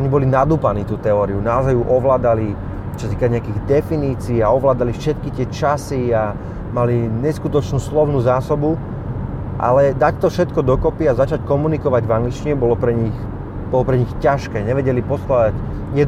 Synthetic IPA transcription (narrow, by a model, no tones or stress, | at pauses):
ɔɲibɔlinad̪uːpaniːt̪uːt̪ɛɔːɾiunaɔzajuʔɔʋlaːd̪ali | t͡ʃɔsat̪iːkaɲɛakiːɣd̪ɛfiniːt͡siːaɔʋlaːd̪alifʃɛt̪kit̪ɪɛt͡ʃasia | maliɲɛskut̪ɔt͡ʃnuːslɔʊnuːzaːsɔbu | ʔa̰lɛd̪act̪ɔfʃɛt̪kɔd̪ɔkɔpiazat͡ʃackɔmunikɔʋaɟvaŋɡlit͡ʃt͡ʃiɛbɔlɔpɾɛɲix | b̥ɔlɔpɾɛɲixcaʃkɛːɲɛʋɛɟɛlipɔst̪adac | jɛd̪